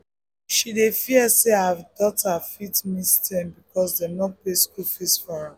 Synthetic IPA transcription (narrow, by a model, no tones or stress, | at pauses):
ʃidefiəseavdɔthafitmistʰɛ̃nbikɔsdenɔpleskɔfisfɔha